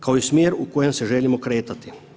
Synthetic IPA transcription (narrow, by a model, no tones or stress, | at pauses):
kaoismjeːɾukoːjɛmsɛʒɛːlimɔkɾeːt̪at̪i̥